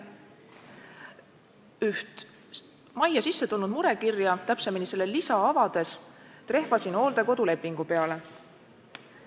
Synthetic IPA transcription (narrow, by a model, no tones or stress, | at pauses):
yht̪ | mɑjɑsisːe̞t̪ulnud̪muɾe̞kirjɑt̪æpse̞minise̞lːe̞lisɑɑvɑd̪̥e̞s | t̪ɾe̞hvɑsino̞ːld̪eko̞d̪ule̞pːˑiŋɡ̥upe̞ɑle̞